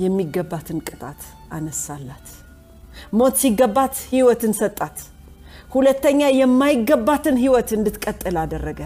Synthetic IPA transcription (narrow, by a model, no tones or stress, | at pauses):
jɛmːiɡəbːat̪ʰɨnkʼɨt̪ʼa̰t̪ | ʔanəsalːat̪ | mo̞t̪siɡːəbːat̪hiwɔt̪ɨnsət̪ʼːat̪ | hulət̪ːəɲːajɛmːajɪɡːəbːat̪ɨnɦiwɔt̪ɨnd̪ɨt̪kʼət̪ʼːɨlad̪ərːəɡə